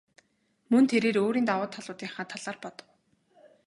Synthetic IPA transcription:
mɵnt̪ʰeɾeːɾoːɾiːnt̪awʊːt̪ʰːaɮʊːt̪iːŋχaːt̪ʰaɮ̥aːrpɔt̪ɞ̥̆w

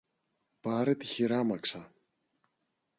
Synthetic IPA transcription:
pɐɾet̪içiɾɐmɐksɐ

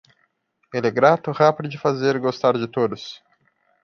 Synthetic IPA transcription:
elɛɡɾat̪ʊhapid̪ʊd͡ʒɪfazeɾɡost̪aɾd͡ʒɪt̪od̪ʊs

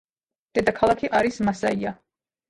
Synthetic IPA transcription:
d̪̥ɛd̪akʰalˠakʰiʔaɾismasaia

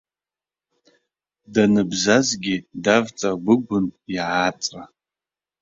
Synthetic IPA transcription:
danɨbzazɡʲidavt͡sʼaɡʷʊɡʷʊnjʕat͡sʼra

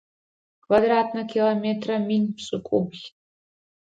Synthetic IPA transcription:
kʰʼvad̪ratnɐkʰʲilˠometʰʼrɐminʲpʰsʼɨkʷʼubɣʲ

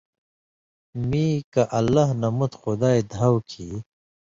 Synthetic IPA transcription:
mĩːkaʔɐlːaɦnɐmut̪xʊd̪aːed̪ʱawkʰi

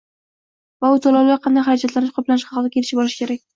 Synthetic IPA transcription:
vaʊt̪ʰolawlaɾqʰɑnd̪ajχaɾad͡ʒat̪lanɪʃqʰɒplanɪʃqɑɑld̪akʲelɪʃɪbɒɾɪʃkʲʰe̞ɾak̚ʲ

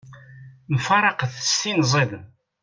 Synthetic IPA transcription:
mfɑɾˤɑqθəst̪inzˤeðən

